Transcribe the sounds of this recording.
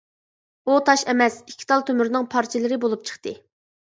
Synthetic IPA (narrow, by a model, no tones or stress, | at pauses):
ut̪ʰɑʃɛmɛsikʲʰːi̥t̪ʰɑlˠt̪ʰømyɾnɨŋpʰɑɾt͡ʃʰilˠɨɾɪbolˠup̚t͡ʃʰə̥χt̪ɨ